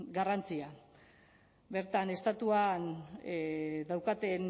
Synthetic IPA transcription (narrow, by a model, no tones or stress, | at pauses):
ɡarant͡sia | be̞ɾt̪ane̞st̪at̪uan | ðawkat̪e̞n